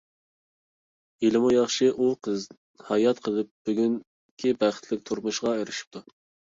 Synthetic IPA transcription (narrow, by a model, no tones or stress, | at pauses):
ilɨmujɑχʃɪʔuqʰəz | hɑjɑt̪qʰəlˠɨp̚b̥yɡʲyŋ | kʲʰibæχə̥t̪ʰlɪk̚ʲt̪ʰuɾmuʃʁɑøɾɪʃi̥p̚t̪ʰu